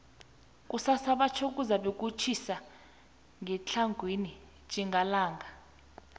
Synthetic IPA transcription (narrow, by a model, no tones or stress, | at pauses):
k̬ʼusasaɓat͡ʃʰok̬ʼuzaɓek̬ʼut͡ʃʰisa | ŋʱɛt͡ɬʰaŋɡʱwini̥ | d͡ʒ̥ʱʼiŋɡʱalaːŋɡʱa